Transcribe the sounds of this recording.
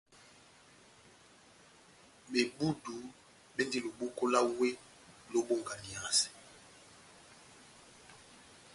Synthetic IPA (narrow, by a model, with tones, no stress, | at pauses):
be˨bu˦du˨˦ | ɓe˦ndi˦lu˨ɓu˦ko˦la˦we˦ | lo˦ɓo˦ŋɡa˨ni˨ã˨sɛ̥˨